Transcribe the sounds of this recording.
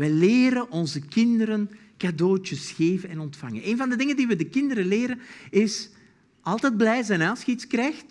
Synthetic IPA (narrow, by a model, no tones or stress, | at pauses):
ʋɛleːɾənʔɔnzəkɪndəɾən | kadoːt͡ʃəsxeːvənɛnɔntfɑŋə̰neːnvɑndədɪŋəndiʋədəkɪndəɾəleːɾənɪs | ʔɑlˠtɛd̚blɛjzɛnaːsxitskrɛxt